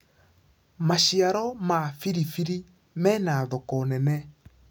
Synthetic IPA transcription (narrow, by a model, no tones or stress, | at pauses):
maʃiaɾɔmafiɾifiɾi | mɛnaðɔkɔnɛnɛ